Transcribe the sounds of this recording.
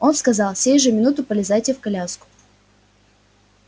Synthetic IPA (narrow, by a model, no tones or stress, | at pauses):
o̞nskɐzɑlˠfsʲejʐɨmʲɪnut̪ʊpəlʲɪzajtʲɪfkɐlʲaskʊ̥